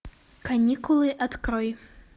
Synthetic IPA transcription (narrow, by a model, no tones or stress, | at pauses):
kanʲikulˠɨʔat̪kɾɔj